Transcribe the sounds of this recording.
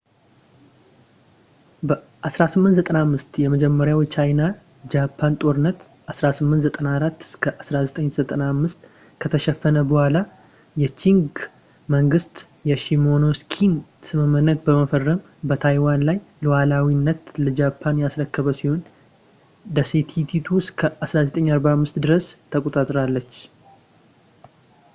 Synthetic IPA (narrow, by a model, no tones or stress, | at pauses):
bə | ʔasɾasɨmːɨnt̪zət̪ʼənamːɨst̪jɛməd͡ʒɛmːəɾjawjt͡ʃʰajna | d͡ʒapʰːant̪ʼo̞ɾɨnːət̪ | ʔasɾasɨmːɨnt̪zət̪ʼənaɾat̪ːɨ̥skʰəʔasɾazət̪ʼəɲz̥ət̪ʼənamːɨst̪ | kʰət̪ʰəʃɛfːənəbəhʷala | jɛt͡ʃʰiŋɡ | məŋɡɨst̪ | jɛʃimono̞skʰinsɨmɨmːɨnːət̪̚bəməfərːəm | bət̪ʰajwanlajlɨwalawinːət̪ləd͡ʒapʰːanjasɾəkːəβəsiho̞n | d̪əset̪ʰit̪ʰit̪ʰuskʰəʔasɾazət̪ʼəɲːaɾbamːɨst̪d̪ɨɾəst̪ʰəkʼot̪ʼat̪ʼɾalːət͡ʃː